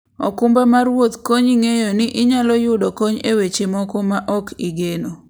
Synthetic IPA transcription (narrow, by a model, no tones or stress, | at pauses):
ɔ̰kʊmbamaɾwot̪koɲiŋejonɪʔɪɲalɔjʊdɔkoɲewet͡ʃemɔkɔmaʔɔkiɡeno